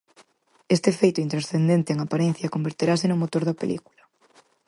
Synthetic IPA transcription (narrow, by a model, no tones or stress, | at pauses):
est̪efejt̪ʊint̪ɾasθend̪ent̪eeŋapaɾen̟θjɐkombeɾt̪eɾasenʊ̃mot̪oɾðɐpelḭku̥lɐ